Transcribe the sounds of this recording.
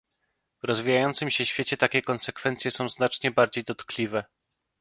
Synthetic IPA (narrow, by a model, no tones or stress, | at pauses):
vɾɔzvʲijajɔnt̪sɘmɕɛɕfʲjet͡ɕɛt̪akʲɛkɔnsɛkfɛnt̪sʲjɛsɔ̃w̃znat͡ʂɲɛbaɾd͡ʑejd̪ɔt̪klʲivɛ